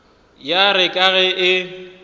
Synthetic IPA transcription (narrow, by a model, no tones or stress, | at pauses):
jaɾɪkʼaɣɛɪ